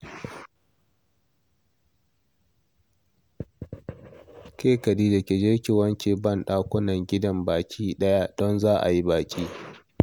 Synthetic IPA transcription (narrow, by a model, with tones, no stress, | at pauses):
kʲeː˦kɐ˨diː˦dɐ˨kʲe˨d͡ʒɪ˦ɽkʲɪ˨wɐ˦nt͡ʃeː˨bɐ˦˨nɗaː˦kʷʊ˦nɐ˨ŋɡʲɪ˦dɐ˦mbaː˨kʲʰiː˦ɗɐ˦ja˦dɔ˦nzaː˦ʔa̰˨ji˦baː˨kʲʼiː˦